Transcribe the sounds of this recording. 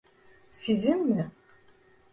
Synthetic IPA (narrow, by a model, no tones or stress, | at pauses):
sizɘŋmɘ